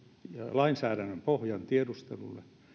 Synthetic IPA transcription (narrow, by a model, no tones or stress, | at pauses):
jɑlɑinsæːɾænːømpohjɑnt̪iedust̪ḛlṵlːḛ